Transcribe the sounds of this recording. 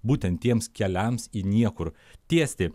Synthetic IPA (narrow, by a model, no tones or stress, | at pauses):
buːt̪ʲɛnt̪ʲːiɛmskʲɛlʲɛmsinʲiɛkʊɾ | t̪ʲiɛsʲt̪ʲɪ